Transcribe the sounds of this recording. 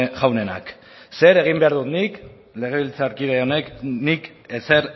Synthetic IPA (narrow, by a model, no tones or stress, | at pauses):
ʝawne̞na̰k | se̞ɾe̞ɣ̞imbe̞aɾðut̪nik | le̞ɣ̞eβilt͡saɾkiðeo̞ne̞knik | ese̞ɾ